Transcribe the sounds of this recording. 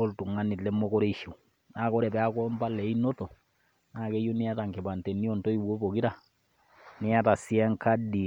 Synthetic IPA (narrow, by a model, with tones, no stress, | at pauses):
o˦ltu˨ŋa˦nːɪ˨tlɛ˦mːo˦kɔ˦ɾe˦ʃi˨ | naː˦˨kɔ˦ɾɛ˨pɛ˨˦a˦kɔ˦mba˦lɛ˨i˦no˦to˨ | na˦˨ke˦jo˦nɪ˦a˦ta˨ŋke˨ba˨ntɛ˨ni˦ɔ˨nto˦i˨wo˦po˨ki˦ɾa˨ | nɪ˦a˦ta˨si˦ɛ˦ŋka˦di˨